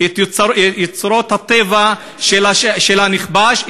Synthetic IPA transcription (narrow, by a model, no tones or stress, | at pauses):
et̪jet͡sɾo̞t̪hat̪eva | ʃelaʃʃelaniχbaʃ